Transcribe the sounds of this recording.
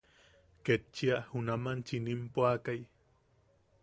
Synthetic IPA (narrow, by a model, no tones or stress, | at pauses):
ket͡ʃːiahunamant͡ʃinimpoakaj